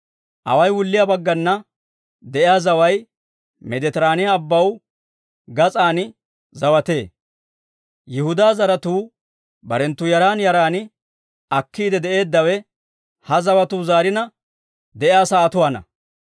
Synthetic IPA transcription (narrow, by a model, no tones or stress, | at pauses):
ʔɐ̰wɐjwʊlːɪjabɐɡːɐnːɐ | d̪ɛʔɪjaːzɐwɐj | mɛd̪ɛt̪ɪɾaːnɪjaːbːɐw | ɡɐt͡sʼaːnɪ | zɐwɐt̪e̞ː | jɪhʊd̪aːzɐɾɐt̪uː | bɐɾɛnt̪ːʊjɐɾaːnjɐɾaːnɪ | ɐkːiːd̪ɛd̪ɛʔe̞ːd̪ːɐwɛ | hɐzɐwɐt̪uːzaːɾɪnɐ | d̪ɛʔjaːsaːt̪ʊwaːnɐ̰